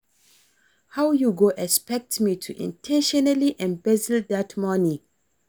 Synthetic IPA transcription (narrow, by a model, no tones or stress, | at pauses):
hawjuɡoʔɛspɛk̚tmitʰuʔḭ̃ntʰɛ̃nʃɔnaliʔɛ̃mbɛzildatmɔnĩ